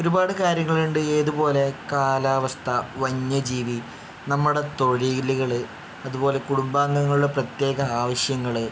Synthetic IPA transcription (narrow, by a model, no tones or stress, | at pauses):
o̞ɾubaːɽɨkaːɾjɐŋːɐɭuɳɖɨeːðubo̞ːle̞kaːlaːʋɐst̪ʰɐʋɐɲːɐd͡ʑiːʋi | nɐmːuɽe̞t̪o̞ɻiliɣɐɭɨ | ɐðubo̞ːle̞kuɽumbaːŋɡɐŋːɐɭuɽeprɐt̪je̞ːɣɐaːʋɐɕjɐŋːɐɭɨ